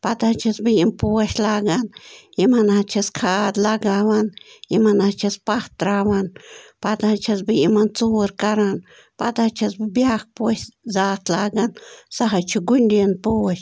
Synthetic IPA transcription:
pad̪at͡ʃasbinpueʃlaɡanimanat͡ʃaskʰad̪laɡaβanjimanat͡ʃaspat̪ːɾabanpad̪at͡ʃazbimant͡suɾkaɾan | pad̪at͡ʃasbjak̚pweszat̪laɡansaɦajt͡ʃuɡunɾenpueʃ

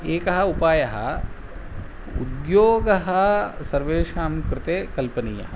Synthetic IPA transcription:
eːkɐɦɐupaːjɐɦɐ̰ | ṵd̪joːɡɐɦɐsɐɾʋeːʃaːmkɾɪt̪eːkɐlpɐniːjɐ̰ɦɐ

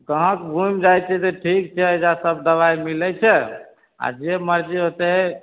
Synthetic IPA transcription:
kəɦə̃kbʱumd͡ʒajt͡ʃʰɛt̪eʈʰik̚t͡ʃʰɛəjd͡ʒasəb̚d̪əβajmilɛt͡ʃʰɛ | a̰d͡ʒeməɾd͡ʒiɦot̪ɛɦe

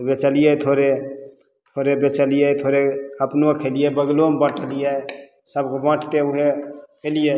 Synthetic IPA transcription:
bet͡ʃəlijet̪ʰoɾe | t̪ʰoɾebet͡ʃəlijɛt̪ʰoɾeəpnokʰelijebəɡlombə̃ʈʰəlijɛ | səbkobə̃ʈʰt̪euɦekelije

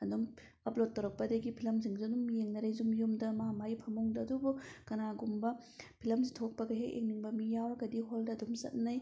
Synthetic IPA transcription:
ɐdum | ɐplot̚ːɐwɾɐk̚pɐdɐɡipʰilɐmziŋziɐdumjeŋnɐɾɐjzumjumdɐmɐhamajpʰɐmuŋdɐːdubukɐnaɡumbɐ | pʰilɐmsitʰok̚pɐɡɐɦekʔḛŋniŋbɐmijawɾɐɡɐdiɦoldɐɐdumsɐ̰t̚nɐj

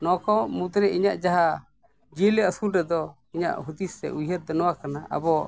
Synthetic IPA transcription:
nɔkɔmud̪ɾɛiɲaʔd͡ʒaɦa | d͡ʒilɛəsulɾɛd̪ɔ | iɲa̰ʔɦud̪isɛ̰ʔujɦəɾ̚d̪ɔnɔwakanaʔa̰bɔ

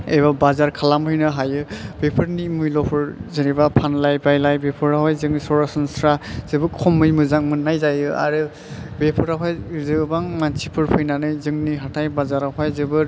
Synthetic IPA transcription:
ejbabazaɾkʰalamɦɯjnɯɦajɯb̥epʰɯɾnimɯjlɔpʰɯɾzɯɾibapʰanlajbajlajbepʰɯɾaɦɔjzɯŋsɔɾasɔnsɾaz̥ɯbɯkʰɔmːɯjmɯzaŋ̚mɯnːajzajɯa̰ɾɯ | bepʰɯɾaɦajzɯbaŋmansipʰɯɾpʰɯjnanɯjzɯŋniɦatʰajbazaɾaɦʰajzɯbɯɾ

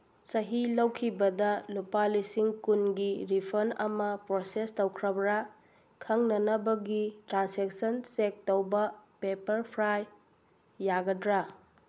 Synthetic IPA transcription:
sɐɦilɐwkʰibɐdɐlupalisiŋkunɡiɾipʰɐɾnɐ̰mɐpɾosestɐwkʰɾɐbɾa | kʰɐŋnɐnɐbɐɡitɾansek̚sɐnsek̚tɐwbɐpepɐɾpʰɾajː | aɡɐdɾa

